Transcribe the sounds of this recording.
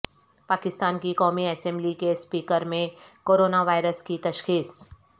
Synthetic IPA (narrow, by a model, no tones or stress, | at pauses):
paːkɪst̪aːnkikɔːmiɛsɛ̃mblikespiːkəɾmẽkoːɾoːnaʋaːɪɾəskit̪ɐʃxiːs